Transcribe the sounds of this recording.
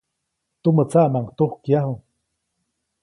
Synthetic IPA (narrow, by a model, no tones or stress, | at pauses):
t̪umət͡saʔmaŋt̪uhkjaɦu